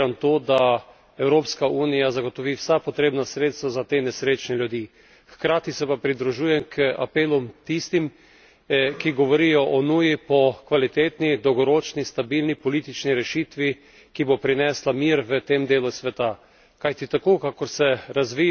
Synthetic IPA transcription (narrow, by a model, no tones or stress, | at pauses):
ant̪oːd̪a | ɛwɾoːpskauːnijazaɡot̪ɔʋiwsapɔt̪ɾeːbnasɾeːt̪st̪ʋazat̪eːnɛsɾeːt͡ʃnɛlʲjud̪iː | xkɾaːt̪isɛpapɾid̪ɾuʒuːjɛmkʰa̰peːlumt̪ist̪im | kiɡɔʋɔɾijɔʔɔnuːjipɔkʋalit̪eːt̪nid̪ɔwɡɔɾoːt͡ʃnist̪abilnipɔlit̪it͡ʃniɾɛʃit̪ʋi | kibopɾinɛslamiɾʋət̪eːmd̪eːlusʋɛt̪a | kajt̪it̪akoːkakɔɾsɛɾazʋi